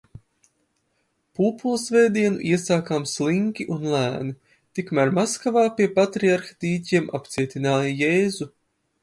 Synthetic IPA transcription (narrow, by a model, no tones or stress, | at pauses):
puːpulˠsvɛːd̪iɛnuʔiɛsaːkamsliŋkʲiʔunlˠæːni | t̪ikmæɾmaskavaːpiɛpat̪ɾiaɾxḁt̪iːcʲiɛmʔapt̪siɛt̪ʲinaːjajeːzu